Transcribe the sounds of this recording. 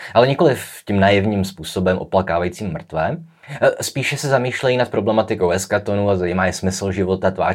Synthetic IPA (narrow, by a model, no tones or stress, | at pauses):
ʔalɛɲɛko̞lɪfcimnaːjɛvɲiːmspuːsobɛmʔo̞̰plakaːvajit͡siːmːr̩t̪vɛː | spiːʃɛsɛzamiːʃlɛjinat̪̚pɾo̞blɛmat̪ɪkowɛskat̪onuːazajimaːjɛsmɪsl̩ʒɪvo̞t̪at̪va̰ː